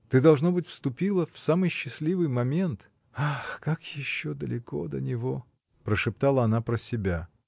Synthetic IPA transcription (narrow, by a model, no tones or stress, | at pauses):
t̪ɨd̪ɐlˠʐno̞bɨtʲfst̪ʊpʲilˠəfsamɨjɕːɪsʲlʲivɨjmɐmʲe̞nt̪ | axkakjɪɕːod̪əlʲɪkod̪ə̰nʲɪvo | pɾəʂɨp̚t̪alˠəɐnapɾəsʲɪbʲa